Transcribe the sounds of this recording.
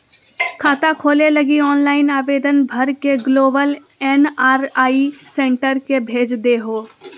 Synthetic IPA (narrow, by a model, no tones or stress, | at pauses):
kʰaːt̪akʰoːleləɡiɔːnlaːɪnaːʋeːd̪ənbʱəɾkeɡloːbəl | ɛːnaːɾaːisẽːɳʈəɾkebʱeːd͡ʒd̪eɦoː